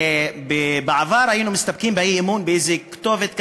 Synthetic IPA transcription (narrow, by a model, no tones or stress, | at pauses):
bebeʕavaɾˤhajinumɪst̪ab̚kimbeimunbeʔejzekt̪ovet̪k